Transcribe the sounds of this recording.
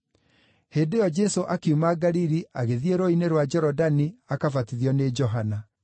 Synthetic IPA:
heːndejɔd͡ʒɛsoʔakeumaɡaɾiɾiaɣeðieɾoineɾwad͡ʒɛɾɔdaniakafatiðjɔned͡ʒɔɦana

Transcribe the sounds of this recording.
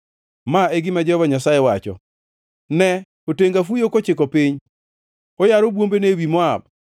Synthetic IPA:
maeɡɪmad͡ʒɛhɔvaɲasajewat͡ʃɔ̰ | nɛ | oteŋɡafujokot͡ʃɪkɔpɪɲ | ojaɾobwombenewimɔab̚

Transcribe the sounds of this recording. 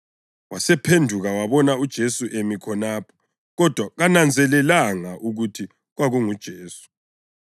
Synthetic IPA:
wasɛpʰendʱuɣawaβɔnaud̥ʒ̥ʱesuʔemikʰɔnaːpʰɔ̥ | ɣɔd̥ʱwaɣanand͡zʱɛlɛlaŋaʔuɣutʰi | ɣwaɣuŋud̥ʒ̥ʱeːsu̥

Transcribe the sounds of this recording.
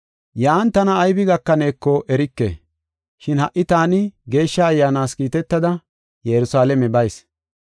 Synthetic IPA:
jaːnt̪ɐnɐːjbɪɡɐkːɐne̞ːkːɔʔɛɾɪkːḛː | ʃɪnhɐʔɪt̪aːnɪɡe̞ːʃːɐːjːaːnaːskiːt̪ɛt̪ːɐd̪ɐ | jɛɾʊsaːlɛmɛbɐjs

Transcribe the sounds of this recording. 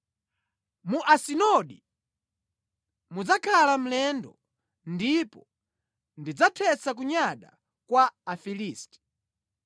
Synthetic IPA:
muʔasinɔɗi | mud͡zakʰalam̩lɛndɔ | ndipɔ | ndid͡zatʰɛsak̬uɲaɗa̰ | kwaːfiliːstɛ̥

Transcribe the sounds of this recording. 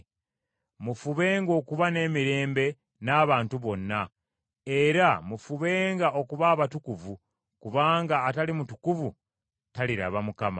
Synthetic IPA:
mufuβe̞ːŋɡo̞ːkuβane̞ːmiɾe̞ːmbe̞ | naːβaːntuβo̞nːa | e̞ɾamufuβe̞ːŋɡaʔo̞kuβaːβatukuvu | kuβaːŋɡaːtalimutukuvu | taliɾa̰βamukama̰

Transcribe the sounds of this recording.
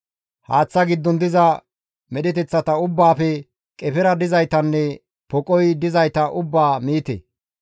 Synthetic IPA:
haːt͡sːɐɡɪd̪ːɔnd̪ɪzɐ | mɛɗɪt̪ɛt͡sːɐt̪ɐʊbːaːfɛ | kʼɛpɛɾɐd̪ɪzɐjt̪ɐnːɛ | pɔkʼɔjd̪ɪzɐjt̪ɐʔʊbːaːmiːt̪ḛ

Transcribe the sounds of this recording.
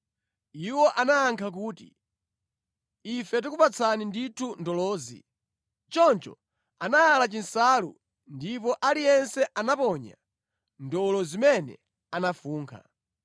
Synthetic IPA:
iwɔʔanaːŋkʰak̬uːtḭ | ifɛt̬ikupat͡sʰaninditʰundɔlɔːzḭ | t͡ʃɔnt͡ʃɔ̰ | anaalat͡ʃinsaːlṵ | ndipɔʔalijɛnsɛʔanapɔɲa̰ | ndɔlɔzimɛnɛ̰ | anafuːŋkʰa̰

